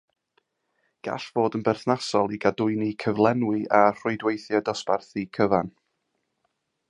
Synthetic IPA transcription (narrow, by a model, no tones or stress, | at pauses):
ɡ̥a̰ɬv̥oːdənbɛrθnasɔlˠiɡadʊɨnikʰəvlˠɛnwɨʔar̥ʊɨdwejθjɛdɔsparθikʰəvan